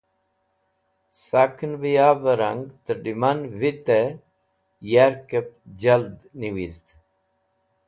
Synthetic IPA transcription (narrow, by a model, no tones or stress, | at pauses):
sakʰənbijaːbəɾɐŋɡt̪əɖimanʋit̪e | jaɾkep̚d͡ʑɐld̪niʋizd̪